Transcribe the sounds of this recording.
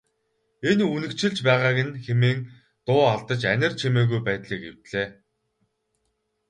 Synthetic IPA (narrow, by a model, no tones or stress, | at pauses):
enunɘ̆kt͡ɕʰɪ̆ɮt͡ɕpæːʁaːɣɪ̆nxemeːŋ | t̪ʊːaɮt̪ə̆t͡ɕænʲɪ̆rt͡ɕʰemeːɣujpæːt̪ɮiːkew̥t̪ɮeː